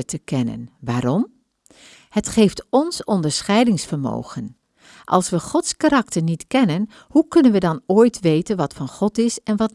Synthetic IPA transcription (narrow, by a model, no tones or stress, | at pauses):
tʰəkɛnə̰nʋaːɾɔm | hətχeːftɔnsɔndəɹsχɛjdɪŋsfəɹmo̰ːɣən | ʔɑlˠsʋəχɔtskaɾɑktəɹnitkɛnən | hukɵnənʋədɑnoːjtʰʋejtənʋɑtfɑnχɔtɪsɛnʋɑt